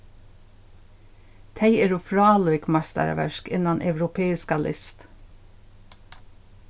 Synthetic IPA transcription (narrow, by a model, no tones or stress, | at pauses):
t̪ʰæɪeːɹuːfɹɑːlɔɪkmɑst̪æ̰ɾ̰ʋæʃkɪ̰nɑnʔœʋɾʊpʰeːɪskɑlʔɪ̰st̪